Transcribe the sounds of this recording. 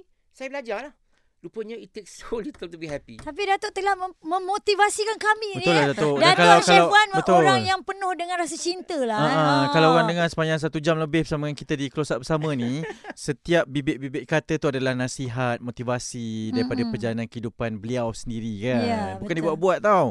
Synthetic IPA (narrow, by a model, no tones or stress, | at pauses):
sajabəlad͡ʒalah | lupəɲaitt̪ːeksolit̪əlt̪ubihɛpit̪ap̬idat̪oʔt̪əlahməmot̪ivasikankamibəʊlahdat̪oʔdaat̪kalawkalawanbəʔt̪oʊɾŋjaŋpənʊhdəŋãnɾas̬at͡ʃint̪əlaaʔakalawɣaŋdəŋãnsə̥paɲd͡ʒaŋs̬at̪ud͡ʒamləbɪhbəsaməaŋkit̪adikəlosaʔbəsamə̃nisət̪iap̚bibɪʔ̚bibɪʔkat̪ət̪uadalahnãsiɦat̪̚mot̪ivasidaɾipadapərd͡ʒalanãnkəidupanbəliawsəndiɾikannbukandibuaʔbuat̪̚t̪ːaw